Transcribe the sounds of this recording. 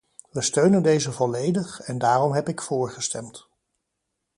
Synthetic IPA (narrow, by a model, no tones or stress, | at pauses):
ʋəstøɥnəndejzəvɔlejdəχɛndaːrɔmɦɛpɪkfʊːɹχəstɛmt